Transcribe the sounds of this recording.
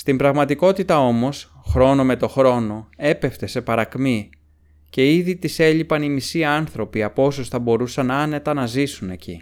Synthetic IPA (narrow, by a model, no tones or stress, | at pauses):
st̪imbɾɐɣmɐt̪iko̞t̪it̪ɐo̞mo̞s | xɾo̞no̞me̞t̪o̞xɾo̞no̞e̞pe̞ft̪e̞se̞pɐɾɐkmi | ce̞iðit̪ise̞ʎipɐnimisiɐɐnθɾo̞piɐpo̞sosθɐbo̞ɾusɐnɐne̞t̪ɐnɐzisune̞cʰḭ